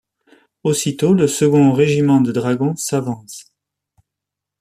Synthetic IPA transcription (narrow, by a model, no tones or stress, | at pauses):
osit̪oləsəɡɔ̃ʁeʒimɑ̃d̪əd̪ʁaɡɔ̃savɑ̃s